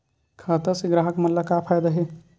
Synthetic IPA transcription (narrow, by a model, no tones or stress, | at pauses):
kʰat̪əɾseɡɾaɦəkmɐnlakapʰajd̪aɦe